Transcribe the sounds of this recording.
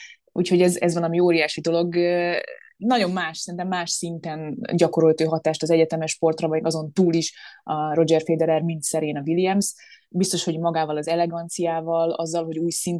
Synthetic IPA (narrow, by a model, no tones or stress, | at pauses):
ṵːcho̞ɟɛzɛ̰zʋɒlɒmioːɾijaːʃid̪o̞lo̞ɡ | nɒɟo̞mːaːʃsɛɾinɛmːaːʃsint̪ɛnɟɒko̞ɾo̞lt̪øːɦɒt̪aːʃt̪ɒzɛɟɛt̪ɛmɛʃpo̞rt̪rɒvɒjɡɒzo̞nt̪uːliʃro̞d͡ʒɛrfeːd̪ɛɾɛrmint̪sɛɾeːnɒvilijɛms | bist̪o̞ʃho̞ɟmɒɡaːvɒlɒzɛlɛɡɒnt̪sijaːvɒlɒ̰zːɒlɦo̞ɟuːjsin